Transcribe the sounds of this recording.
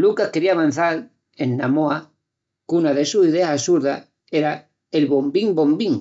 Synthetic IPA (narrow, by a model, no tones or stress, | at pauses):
lukahkeɾiaβãn̟θaɾ | enːamoa | kunaðe̞susiðeasasuɾða̰ | eɾa | elβo̞mbiŋbõ̞mbiŋ